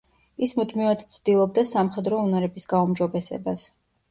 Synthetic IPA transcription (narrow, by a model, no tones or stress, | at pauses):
ismud̪mivat̪ʰt̪sʰd̪̥ilˠɔb̚d̪asamχɛd̪ɾɔunaɾɛbisɡaumd͡ʒɔbɛsɛ̰bas